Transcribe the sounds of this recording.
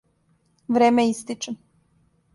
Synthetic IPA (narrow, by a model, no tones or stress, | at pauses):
ʋɾeːmejist̪it͡ʃen